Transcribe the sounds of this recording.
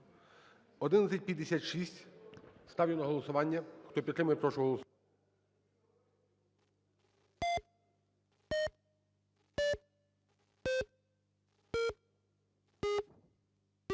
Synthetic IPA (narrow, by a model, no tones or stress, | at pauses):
ɔd̪ɪnɐt̪ʲɐt̚ʲpʲjɐd̪esʲat̪ʃisʲtʲst̪ɑwjʲɛnɔɦɔlˠɔsʊʋɑnʲːɐxt̪ɔpʲt̪ɾɪmɐjɛpɾɔʃʊɦɦɔlˠɔs